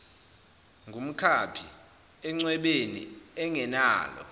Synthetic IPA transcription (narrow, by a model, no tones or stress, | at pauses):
ŋɡʱum̩kʰapʰi | ɛŋ͡ǀwɛɓenḭɛŋʱɛna̰ːlɔ̰